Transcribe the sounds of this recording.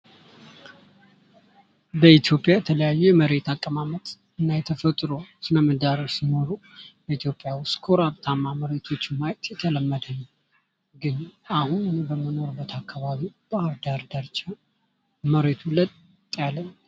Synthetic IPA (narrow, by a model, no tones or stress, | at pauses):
bəit̪jo̞pʼjajɛt̪ʰələjajːujɛməɾe̞t̪akʼːəmamət̪ʼ | ɨnːajɛt̪ʰəfət̪ʼɾo̞sɨnəmːəd̪aɾəsɨmoɾu | bəit̪jo̞pʼːjawskʰoɾaβt̪ʰamːaməɾe̞t̪ʰot͡ʃːmajt̪jɛt̪ʰələmːəd̪ən | ɡɨnʔahunɨnebəməno̞ɾɨbːət̪ʰakʰːaβaβib̥aaβd̪aɾd̪aɾt͡ʃa | məɾe̞t̪ʰulət̪ʼ | jalːən